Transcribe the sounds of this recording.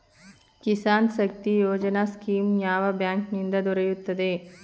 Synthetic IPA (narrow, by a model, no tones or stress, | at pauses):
kisaːnʃɐk̚t̪ijoːd͡ʒɐnaskiːmjaːʋɐbjaːŋknind̪ɐd̪ɔɾɐjut̪ːɐd̪e